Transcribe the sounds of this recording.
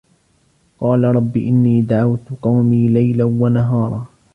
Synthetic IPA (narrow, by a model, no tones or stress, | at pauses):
qɑːlaɾˤɑbːḭːʔɪnːiːd̪aʕawt̪ʊqɑwmiːlajlanwanaɦɑːɾˤɑː